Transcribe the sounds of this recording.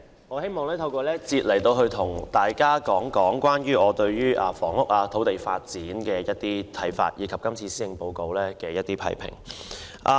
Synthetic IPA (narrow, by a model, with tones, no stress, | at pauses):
ŋɔː˨˧he˥jmɔː˨ŋlɛː˥t̪ʰɐ˧wkʷɔː˧lɛː˥t͡siː˧t̚lɐ˨˩jt̪o˧wɦɵ˧ɥt̪ʰʊ˨˩ŋt̪aː˨˩jkaː˥kɔː˨˥ŋkɔː˨˥ŋkʷwaː˥nɥyː˥ɔː˨˧t̪ɵ˧ɥɥyː˥ʔaː˨˩fɔː˨˩ŋlʊ˥k̚aː˧t̪ʰo˨˥wt̪e˨jfa̰ː˧t̚t͡siː˨˥nkɛː˧jɐ˥t̚t̪iː˥t̪ʰɐ˨˥jfa̰ː˧t̚jiː˨˧kʰɐ˨p̚kɐ˥mt͡sʰiː˧siː˥jɪ˨˧ŋpo˨˧wko˧wlɛː˥kɛː˧jɐ˥t̪iː˥pʰɐ̰˨˥˩jpʰɪ̰˨˩ŋ | ʔa˨